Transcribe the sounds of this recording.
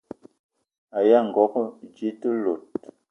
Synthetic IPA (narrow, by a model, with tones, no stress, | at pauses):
a˨ja˦˨ŋ̩˨ɡɔ˨˦kd͡ʒi˦tə˦lo˨t̚